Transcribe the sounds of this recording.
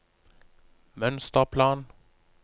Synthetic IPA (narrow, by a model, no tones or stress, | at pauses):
mœnst̪əʁpʰlɑːn